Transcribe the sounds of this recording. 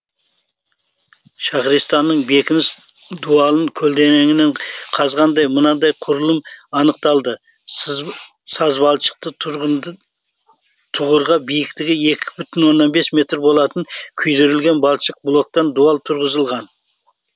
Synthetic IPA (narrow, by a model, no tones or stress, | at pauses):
ʃɑχɾijst̪ɑnːəɴbe̞kʲɪnɪs | d̪uɑlˠəŋkʲʰɵlʲd̪e̞neŋɪneɴqʰɑzʁɑnd̪ɑjmənɑd̪ɑjqʰʊɾəlˠəmɑnəq̚t̪ɑlˠd̪ə | sɑzbɑlˠʃə̥q̚t̪ə | t̪ʰʊʁəɾʁɑbijɪkt̪ɪɡʲɪe̞kʲʰɪ̥bʏt̪ɪnwo̞nːɑnbe̞smʲe̞t̪rbo̞lˠɑt̪əŋkʲʰʏjɾeɾɪlɡʲe̞nbɑlˠʃəq̚blˠo̞k̚t̪ɑnd̪uɑlˠt̪ʰʊɾʁəzəlˠʁɑn